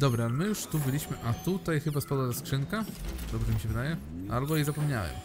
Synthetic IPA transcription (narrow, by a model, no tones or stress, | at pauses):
d̪ɔbɾaalɛmɘjuʂt̪ubɘlʲiɕmɘʔat̪ut̪ajxɘbaspɔd̪ɔd̪askʂɘŋkad̪ɔbʐɛmʲiɕɛvɘd̪ajɛ | albɔizapɔmɲa̰wɛ̰m